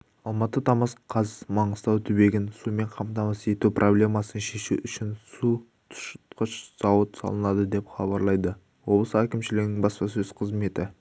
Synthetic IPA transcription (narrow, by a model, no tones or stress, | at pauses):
ɑlˠmɑt̪ːət̪ʰɑmɑsqʰɑzmɑɴəzt̪ɑwt̪ʰʏbe̞ɡʲɪnsume̞ɴqʰɑmt̪ɑmɑse̞t̪uprʔo̞blʲe̞mɑsənʃe̞ʃuʔʏʃɪnsu | t̪ʰʊ̥ʃt̪qəʃz̥ɑwət̪sɑ̰lˠənɑd̪əd̪e̞pχɑbɑɾlˠɑjd̪ə | wo̞blˠəsəækʲɪmʃɪlɪɡʲɪnɪŋbɑspɑsɵz̥qʰəzme̞t̪ɪ